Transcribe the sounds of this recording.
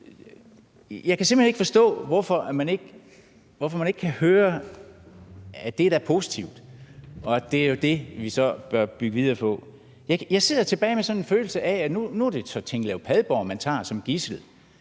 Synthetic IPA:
jɑ̈ɪkʰæse̝m̥l̥̩hene̝ɡ̥fɒ̽sd̥ɔ̰̽ːʋɒfɒ̽æmæne̝ɡ̥ | ʋɒfɒ̽mæne̝ɡ̥kʰæhøːɐ | æd̥e̝ɾ̥ɑæɐpʰo̝ːsi̥t͡sʰiʊd̥ɒ̽d̥e̝æɐjo̝d̥e̝ʋisɒ̽b̥ɶɐb̥yɡ̥əʋiðˠɐːpʰɒ̽ | jɑɪjɑ̈ɪse̝ð̰ˠɐt͡sʰe̝b̥ɛːɪmesɒ̽nenføːl̩səʔæænunuɐd̥e̝sɒ̽t͡sʰeŋ̰ɡ̥lɛʊpʰɛðˠb̥ɒʊmænt͡sʰɑ̰̈ːsɒ̽mɡ̥isl̩

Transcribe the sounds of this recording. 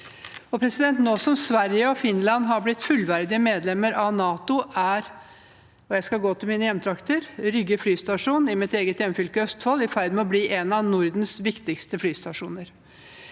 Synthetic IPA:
ɔpʰɾɛsɪd̪ɛnt̪noːsɔmsʋæɾjəɔfɪnlɑnɦɑɾblɪt̪ːfʉlʋæɾd̪ɪəmeːd̪lɛmːəɾʔɑʋnɑːt̪ʊʔæɾ | ɔjæɪskɑlɡoːt̪ʰɪlmiːnəjɛmt̪ʰɾɑkt̪əɾɾʏɡəflyːst̪ɑʂuːnɪmɪt̪eːɡət̪jɛmfʏlkəœst̪fɔlːɪfæɪd̪mɛɔbliːʔɛnɑnʊɾd̪nsʋɪkt̪ɪkst̪əflyːst̪ɑʂuːnəɾ

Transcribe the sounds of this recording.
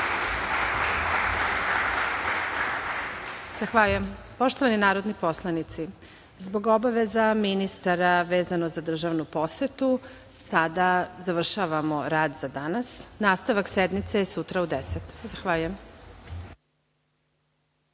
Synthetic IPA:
z̥axʋaʎujem | po̞ʃt̪oʋaninaːɾo̞d̪nipo̞slˠanit̪si | zbo̞ɡo̞baʋe̞zaminist̪aɾaʋe̞ːzanozad̪r̩ʒaʋnupo̞set̪u | sad̪azaʋr̩ʃaʋamo̞ɾaːd̪zad̪anasnaːst̪aʋaksed̪mit̪sejesut̪ɾaud̪eset̪zaxʋaːʎujem

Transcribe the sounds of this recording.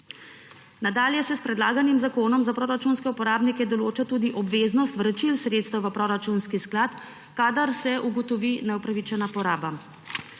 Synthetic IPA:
nad̪aːljɛsɛspɾɛd̪laːɡanimzakoːnɔmzapɾoːɾat͡ʃuːnskɛupɔɾaːbnikɛd̪ɔloːt͡ʃat̪uːd̪iʔɔbʋeːznɔst̪ʋɾət͡ʃilsɾeːt̪st̪ɛwʋəpɾoɾat͡ʃunskisklaːt̪ | kaːd̪aɾsɛʔuɡɔt̪ɔʋinɛupɾaʋit͡ʃɛnapɔɾaːba

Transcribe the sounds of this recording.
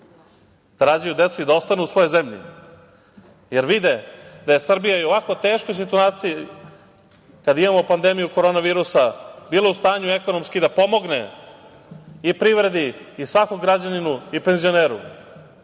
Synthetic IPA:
d̪̥aɾaːd͡ʑajud̪e̞t̪suid̪aost̪anuusʋo̞jojzemʎḭ | je̞ɾʋid̪e̞d̪aje̞sr̩bijaioʋako̞t̪e̞ːʃkojs̬it̪uaːt̪siji | kad̪imamopand̪e̞mijuko̞ɾo̞ːnaʋiːɾusabiːloust̪aːɲue̞ko̞no̞mskid̪apo̞mo̞ɡnḛ | ipɾiʋɾe̞d̪iːsʋakoɡɾad͡ʑaninuipe̞nzio̞ne̞ːɾṵ

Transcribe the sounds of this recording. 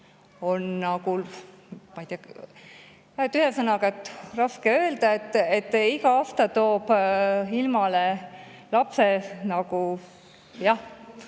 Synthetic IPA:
o̞nːɑɡul | mɑjt̪iɑ | æt̪ːˑyhesɤnɑɡɑt̪ːrɑskeø̞ːld̪̥ɑet̪ːet̪ːiɡɑɑst̪ɑt̪oːb̥ilmɑlelɑpsenɑɡu | jɑh

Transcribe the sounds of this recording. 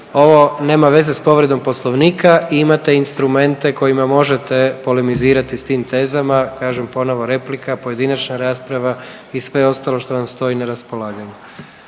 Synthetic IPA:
o̞ʋo̞ne̞ːmaʋe̞zespo̞ʋɾe̞d̪o̞mpo̞slˠo̞ʋniːkʰaiimat̪e̞inst̪ɾume̞nt̪e̞ko̞jimamo̞ʒe̞t̪e̞po̞lemiziːɾat̪ist̪iːmt̪e̞ːzamakaːʒempo̞no̞ʋo̞ɾe̞plikapoje̞d̪inat͡ʃnaɾaːspɾaʋa | isʋe̞o̞st̪alo̞ʃt̪o̞ʋamst̪o̞ineɾaspo̞laːɡaɲu

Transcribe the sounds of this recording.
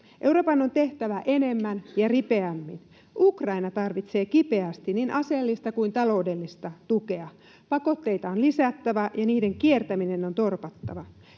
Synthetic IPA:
ʔe̞wropɑnːo̞nt̪e̞ht̪æʋæʔe̞ne̞mːænjɑripe̞æmːḭn | ʔukrɑinɑt̪ɑrʋit̪se̞ːkipe̞æst̪ininʔɑse̞lːist̪ɑkujnt̪ɑlo̞ude̞lːist̪ɑt̪uke̞ɑ | pɑko̞t̪ːe̞jt̪ɑonlisæt̪ːæʋæjɑniːde̞ŋkie̞rt̪æmine̞no̞nt̪o̞rpɑt̪ːɑʋɑ

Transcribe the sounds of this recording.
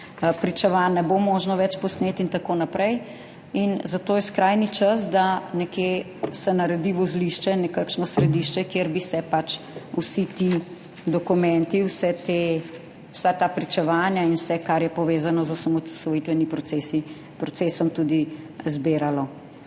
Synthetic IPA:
pɾit͡ʃɛʋanːɛbomoːʒnɔʋɛt͡ʃpɔsneːt̪int̪akoːnapɾɛj | inzat̪oːjɛskɾaːjnit͡ʃasd̪anɛkje | sɛnɐɾɛd̪iʋɔzliʃt͡ʃɛnɛkakʃnɔsɾɛd̪iʃt͡ʃɛkjeɾbisɛpat͡ʃ | usit̪i | d̪ɔkumɛnt̪iwsɛt̪e | wsat̪aːpɾit͡ʃɛʋanjainwsɛkaɾjɛpɔʋeːzanɔzɔsamɔsɔjit̪ʋɛnipɾɔsesi | pɾɔt̪sesɔmt̪ud̪i | zbeːɾalɔ

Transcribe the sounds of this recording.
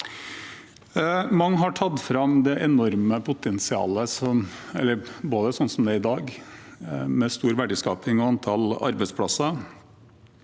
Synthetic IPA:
mɑŋːɦɑʈʰɑd̪fɾɑmd̪ɛʔɛnɔɾməpʰʊt̪ʰɛnsɪɑ̰ːləsɔmɛ̰lːəɾboːd̪əsɔnːsɔmd̪ɛɪd̪ɑːɡ | mɛst̪uːɾʋæɖəskɑ̰ːpɪŋɔɑnt̪ʰɑlɑ̰ɾbɛɪt̪spʰɽɑsɑ

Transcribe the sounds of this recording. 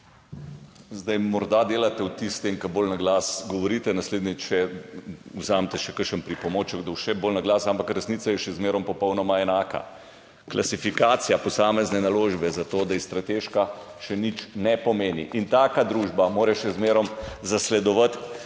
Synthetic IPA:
zd̪ajmɔɾd̪ad̪eːlat̪ɛwt̪ist̪ɛŋkɐboːlnaɡlasɡɔʋɔɾit̪ɛnasleːd̪nʲɛt͡ʃɛ | uzamt̪ɛʃɛkəʃənpɾipɔmoːt͡ʃəɡd̪ɔwʃɛboːlnaɡlaːsampakɾɛsniːt̪sajɛʃɛzmeːɾɔmpɔpɔwnɔmaɛnaːka̰ | klʔasifikaːt̪sijapɔsaːmɛznɛnaloːʒbɛzat̪oːd̪aist̪ɾat̪eːʃka | ʃɛnit͡ʃnɛpɔmeːnḭʔint̪aːkad̪ɾuːʒbamoːɾɛʃɛzmeːɾɔmzaslɛd̪ɔʋət̪

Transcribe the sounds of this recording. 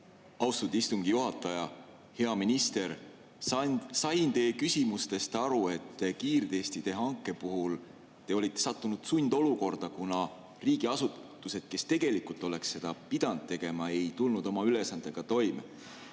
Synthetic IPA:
ɑwst̪ud̪ist̪uŋɡ̥ijuɦɑt̪ːˑɑjɑ | he̞ɑminist̪e̞ɾ | sɑjnt̪e̞ːkysʲimust̪e̞st̪ɑɾue̞t̪ːekiːrd̪̥e̞ːst̪it̪e̞ɦɑŋkːˑe̞puɦul | t̪e̞o̞lit̪ːe̞sɑt̪ːunud̪̥sunʲd̪̥o̞luko̞rd̪̥ɑkunɑ | riːɡ̥iɑsut̪ːˑuse̞d̪̥̚ke̞st̪e̞ɡ̥e̞likult̪ːˑo̞le̞ksːe̞d̪̥ɑpid̪̥ɑnud̪̥̚t̪e̞ɡ̥e̞mɑe̞jt̪ulnud̪̥o̞mɑylesɑnd̪̥e̞ɡ̥ɑt̪o̞jme

